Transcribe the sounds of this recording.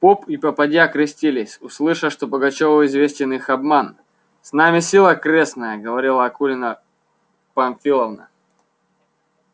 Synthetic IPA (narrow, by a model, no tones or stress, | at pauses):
popipɐpɐdʲjakɾʲɪsʲtʲilʲɪsʲʊslˠɨʂəʂt̪obəɡɐt͡ɕovəɪzvʲesʲtʲɪnixɐbman | snamʲɪsʲilˠəkɾʲe̞snəjəɡəvɐɾʲilˠəɐkulʲɪnə | pɐnʲfʲilˠəvnə̰